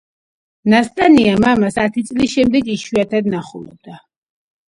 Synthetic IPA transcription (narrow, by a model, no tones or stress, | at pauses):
nast̪ʼaniamamasat̪ʰit̪sʼlisʃɛmd̪ɛɡiʃwiat̪ʰad̪naχṵlɛ̰b̚d̪a